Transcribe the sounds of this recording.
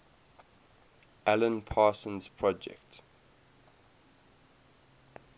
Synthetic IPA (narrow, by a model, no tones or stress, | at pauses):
ʔælə̃npʰaːsə̃nz̥pʰɹɔd͡ʒɛ̰kt